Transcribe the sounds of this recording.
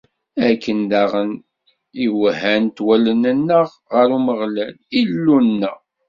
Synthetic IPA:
ækːənd̪æʁən | iwhænt̪wælənənːəʁːəɾuməʁlælilːunːə̰

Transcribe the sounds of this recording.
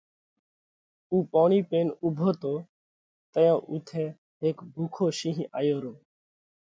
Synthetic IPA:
uːpɔːɳ̃iːpeːnuːbʱoːt̪oː | t̪əjãːʔuːt̪ʰɛː | eːkbʱuːkʰoːʃĩːɦĩʔaːjoːɾoː

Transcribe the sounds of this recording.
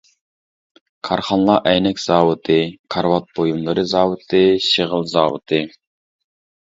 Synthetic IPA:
kʰɑɾχɑnlˠɑʔɛjnɛkʲz̥ɑːwɨt̪ʰɨkʰɑɾwɑt̪̚bojumlˠɨɾɨzɑːwɨt̪ʰɨʃiʁəlˠzɑːwɨ̰t̪ʰɨ

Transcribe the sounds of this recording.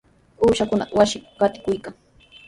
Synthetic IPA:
uːʃakʊna̰qwasɪmɢɑt̪ɪ̥kʊjkaŋ

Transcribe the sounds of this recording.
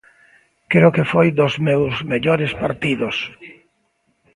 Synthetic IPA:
kɾeʊkefojd̪ozmewzmeʎoɾespaɾt̪iðos

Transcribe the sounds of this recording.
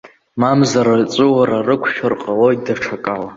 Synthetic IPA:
mamzaɾat͡sʼɨwaɾarɨkʷʰʃᶣarqʼalo̞jtdaʈ͡ʂʰakʼala

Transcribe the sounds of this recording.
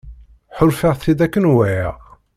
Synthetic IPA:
ħʊlfaʁθid̪ækːənwæjæ̰

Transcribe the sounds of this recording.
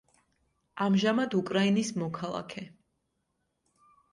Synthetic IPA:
amʒamad̪ukʼɾainismɔkʰalˠa̰kʰɛ

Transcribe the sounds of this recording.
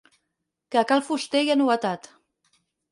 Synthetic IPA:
keakalfust̪ejanuət̪at̪

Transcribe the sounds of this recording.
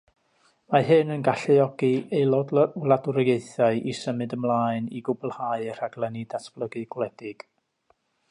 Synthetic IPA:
maɦɨnənɡaɬɨɔɡiejlˠɔdlˠadʊɾjeɨθaɨʔisəmɨdəmlˠaːɨnḭɡʊbʊlˠhaɨr̥aɡlˠɛnidatʰb̥lˠəɡɨɡwlɛdɪɡ̥

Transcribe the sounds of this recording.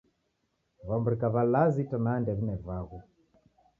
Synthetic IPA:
vambuɾikaβalazitɔnandɛβinɛvaɣu

